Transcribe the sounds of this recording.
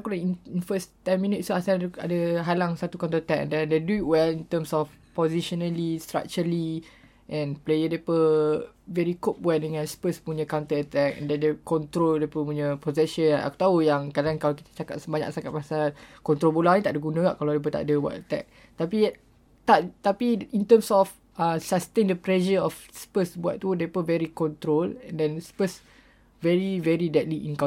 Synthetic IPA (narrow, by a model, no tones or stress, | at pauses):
kunaininfəst̪ɛnmĩnit̪̚stuasaəa̰dəɦalaŋsat̪ukaw̃nt̪ət̪ɛk̚ɛ̰ndɛ̃ndeduit̚wɛlint̪əmsɔf | pɔziʃɔnalist̪ɾa̰k̚t͡ʃəli | ʔɛ̃nplejədepə | vɛɾikop̚buɛʔ̚dəŋãnspəspuɲə̃kawnt̪ət̪ɛkɛ̰̃ndɛndəkɔnt̪ɾoldepəpuɲəpozɛʃəna̰ku̥t̪aujaŋkadaankalaki̥t̪ḁt͡ʃakat̪səbaɲa̰k̚sakat̪̚masalkɔnt̪ɾolbolaŋɲĩt̪aʔdəɡunə̃ɡa̰ʔkalawdep̬ət̪a̰ʔdəbua̰t̪ət̪ɛ̰k̚ | t̪api | t̪aʔt̪apiint̪əmsɔf | əsast̪endəplɛʃəɔfspəsbua̰ʔ̚t̪udepəvɛɾikɔ̃nt̪ɾolɛ̃ndɛnspəs | vɛɹivɛɾidɛt̪̚liḭnka